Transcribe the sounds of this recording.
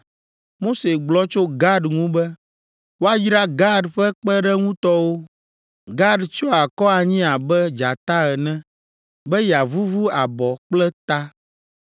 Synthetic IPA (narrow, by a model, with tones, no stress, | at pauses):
mo˦se˨ɡ͡blɔ˦t͡ʃo˦ɡa˦ɖŋũ˦bɛ˦ | wo˦a˦d͡ʒɾa˦ɡa˦ɖɸɛ˦k͡pɛ˦ɖɛ˦ŋũ˦t̪ɔ˦wo˦ | ɡa˦ɖt͡ʃo˦a˨kɔ˦a˨ɲĩ˦a˨bɛ˦d͡ʒa˨t̪a˦ɛ˨nɛ̃˦ | bɛ˦ja˨vu˦vu˦a˨bɔ˨k͡plɛ˦t̪a˦